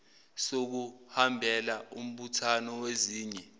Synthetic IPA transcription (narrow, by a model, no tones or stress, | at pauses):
sok̬uhambʱɛlaum̩ɓutʰanɔweziːɲɛ